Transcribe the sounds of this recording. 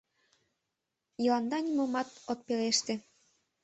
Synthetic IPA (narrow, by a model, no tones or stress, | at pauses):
jɤ̆lɑnd̪ɑnʲimomɑt̪ot̪̚peleʃt̪ĕ